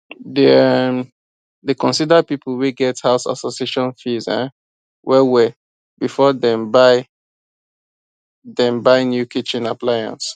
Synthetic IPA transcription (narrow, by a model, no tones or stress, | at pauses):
dem | dekɔ̃nsidapipʰul̩wiɡɛthaʊsa̰sosieʃɔ̃nfizã̰ | wʔɛwɛ | bifɔdɛ̃mbaɪ | dɛ̃mbaɪnjukit͡ʃĩnaplajã̰ns